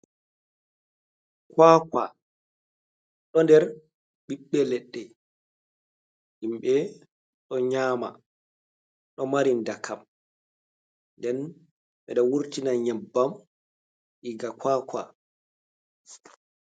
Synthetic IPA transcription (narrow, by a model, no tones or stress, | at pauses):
kakwa̰ | ɗɔndɛɾ | biɓːɛlɛɗːɛ | himɓɛ | ɗɔɲaːma̰ | ɗɔmaɾindakʰam | ndɛn | ɓɛɗɔwuɾtinaɲɛbːam | ʔiɡakʰwaːkwa̰